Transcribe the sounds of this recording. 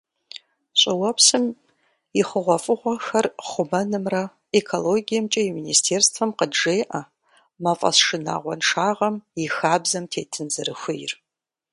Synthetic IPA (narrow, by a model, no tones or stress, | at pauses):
ɕʼɪwɐpʰsɨm | iχəʁʷɔfʼɨʁʷɔxɐrχʷʊmɐnɨmrɐ | ekʰoloɡijɐmt͡ʃʼɐjiministʰeːrstʰfɐmqədʐejʔɐ | mɐfʼɐ̰sʂɨna̰ːʁʷɔnʂaːʁɐmixaːbzɐmtʰeːtʰɨnzɨrɨxʷɨjr